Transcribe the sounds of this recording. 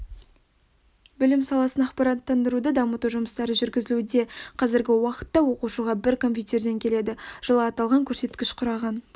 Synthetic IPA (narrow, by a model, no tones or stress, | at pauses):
bʏlɪmsɑlˠɑsənɑqpɑɾɑt̪ːɑnd̪əɾud̪əd̪ɑmət̪uʒʊməst̪ɑɾəʒʏɾɡʲɪzɪlud̪e̞qʰɑzɪɾɡʲɪwɑqə̥t̪ːɑwo̞quʃuʁɑbɪɾkʰo̞mpʲjut̪e̞rd̪e̞ŋkʲʰe̞le̞d̪ɪʒ̥əlˠɑːt̪ɑlˠʁɑŋkʲʰɵɾse̞t̪kʲɪʃqʰʊɾɑʁɑn